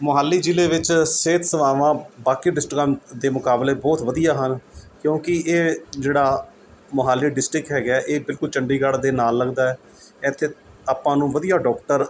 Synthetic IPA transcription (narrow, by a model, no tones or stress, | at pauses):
moɦaːlːiːd͡ʒileːʋɪt͡ʃseːt̪ʰsəʋaːʋãːbaːkiːɖɪsʈɪkamd̪eːmʊkaːbleːbɔːt̪ʋəd̪ijaːɦənkjõːkɪeːd͡ʒeːɽaː | moɦaːlːiːɖɪsʈɾɪkɦɛːɡɛːʔeːbɪlkʊlt͡ʃəɳɖiːɡəɽd̪eːnaːlːəɡd̪aːɛː | ɛ̃ːt̪ʰːeː | aːpãːnũːʋəd̪ijaːɖɔːkʈəɾ